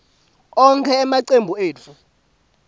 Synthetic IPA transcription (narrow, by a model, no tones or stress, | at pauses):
ɔŋkʰɛːmaǀembʱueːt͡fʰu